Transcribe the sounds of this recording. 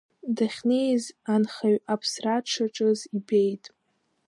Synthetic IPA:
daχʲne̞jzanχaɥapʰsraʈ͡ʂʰaʈ͡ʂʼɨzibejtʼ

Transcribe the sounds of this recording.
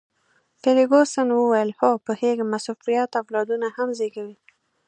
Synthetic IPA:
pɪɾiɡosənwəwajəlhopəheɡmasufijat̪awlɑd̪unahamzeɡawi

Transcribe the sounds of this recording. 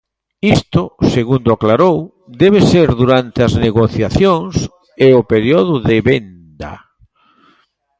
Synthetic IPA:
ist̪ʊseɣund̪oaklaɾow | d̪ɛβ̞eseɾðuɾant̪eazneɣoθjaθjoŋs | eopeɾjoðʊðeβen | d̪a̰

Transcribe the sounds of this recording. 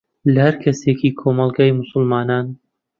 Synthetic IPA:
lɐhɐɾkʰɐsekʰiːkʰoːmɑlˠɡaːjmʊsʊlmɑːnaːn

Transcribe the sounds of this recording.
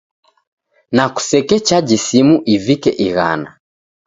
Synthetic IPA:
naku̥sɛkɛt͡ʃad͡ʒisimuʔivikɛʔiɣa̰na

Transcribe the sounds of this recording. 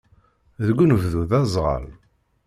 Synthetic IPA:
ðəɡʷːnəvðuðæzˤʁə̰l

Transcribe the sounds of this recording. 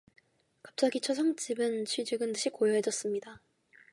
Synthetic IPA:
kḁp̚t͡ɕ͈aɡit͡ɕʰʌs̬ʰʌŋt͡ɕ͈ibɯnt͡ɕʰɥid͡ʑɯɡɯndɯɕʰikojʌɦe̞d͡ʑʌs͈ɯmɲida

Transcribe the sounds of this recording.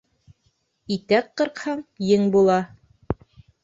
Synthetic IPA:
it̪æqːɤ̆ɾqhɑɴjɘŋbulˠɑ

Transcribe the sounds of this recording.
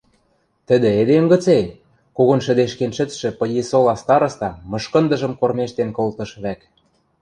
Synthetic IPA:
t̪ə̆d̪ĕed̪emɡə̆t͡se | kuɣŏnʃə̆d̪eʃkenʃɘ̆t͡sʃɘ̆pɤ̆jesolɑst̪ɑɾɤ̆st̪ɑmɤ̆ʃkɤ̆nd̪ɤ̆ʒɤ̆mkormeʃt̪enkolt̪ɤ̆ʃβæk

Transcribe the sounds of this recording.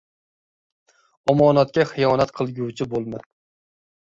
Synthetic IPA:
ɒmɒːnat̪̚kʲaχɨjɒːnat̪qʰɨlˠɡʲuwt͡ʃʰɪbolˠma

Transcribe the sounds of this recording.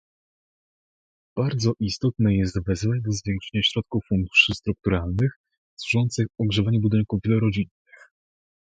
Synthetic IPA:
b̥aɾd̪zɔʔist̪ɔt̪̚nɛjɛst̪vɛzvat͡ɕd̪ɔzvʲjɛŋkʂɛ̥ɲaɕɾɔt̪̚kufːund̪u̥ʂɘst̪ɾuk̚t̪uɾalnɘx | swuʐɔnt̪sɘxɔɡʐɛvaɲubud̪ɘŋkuvvʲjɛlɔɾɔd͡ʑinːɘx

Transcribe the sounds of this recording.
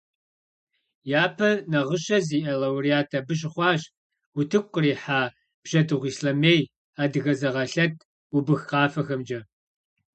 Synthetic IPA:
jaːpʰɐnɐʁəɕɐziːʔɐlɐwrijaːtʰɐbɨɕ̬ʼχʷɑːɕ | ʊtʰɨkʷʼːriːħaː | b̥ʒ̥ɐdɨʁʷiːsɬɐmeːj | aːdɨɣɐzɐʁɐɬɐtʰ | ubɨxqɑːfɐxɐmd͡ʒɐ

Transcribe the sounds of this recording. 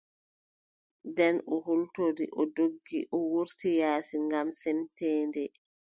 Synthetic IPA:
dɛnɔhultoɾiʔɔdoɡːiʔɔwuɾtijaːsiŋɡamsɛmtɛːndɛ

